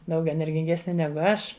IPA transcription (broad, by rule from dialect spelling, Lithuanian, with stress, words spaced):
ˈdɐʊk ɛnʲɛrʲɡʲɪŋʲˈɡʲæːsʲnʲɪ ˈnʲæːɡʊ ˈɐʃ